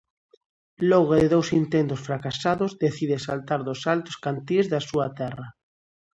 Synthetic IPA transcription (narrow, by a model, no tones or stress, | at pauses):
lɔɣoðeðowsint̪end̪osfɾakasaðozðeθiðesalt̪aɾðosalt̪o̥skant̪iezðasuat̪ɛra